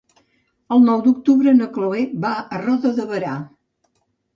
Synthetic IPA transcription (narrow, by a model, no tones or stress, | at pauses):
əlˠnɔwd̪uk̚t̪uβɾənəkloebaərɔðəðəβəɾa